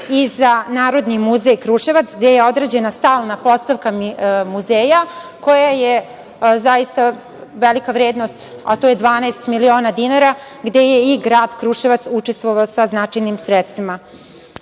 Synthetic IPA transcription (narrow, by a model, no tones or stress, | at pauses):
izanaːɾo̞d̪nimuzejkɾuʃeʋat̪sɡd̪ejeo̞d̪ɾed͡ʑe̞nast̪aːlˠnapo̞st̪aʋkamuzeːjako̞jaje | zajist̪a | ʋelikaʋɾeːd̪nost̪a̰t̪oje̞d̪ʋaːnaest̪milio̞ːnad̪inaɾa | ɡd̪e̞jeiɡɾaːd̪kɾuʃeʋat̪sut͡ʃest̪ʋo̞ʋaosaznat͡ʃajnimsɾet̪st̪ʋima